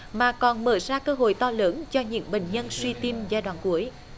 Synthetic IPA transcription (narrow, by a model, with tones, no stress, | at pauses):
maː˨˩kɔ˨˩nməː˧˩jzaː˧kəː˧ɦo̰˧˨jt̪ɔ˧ləː˨˦nt͡ɕɔ˧ɲɨ̰˧˥əŋɓḭ˨˩ŋ̟ɲə˧nswi˧t̪i˧mzaː˧jɗwa̰ː˧˨nku˨˦əj